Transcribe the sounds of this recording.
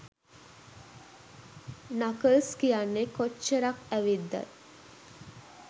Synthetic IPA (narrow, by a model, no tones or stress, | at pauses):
nakəlskijanːekot͡ʃːəɾakæʋid̪ːa̰j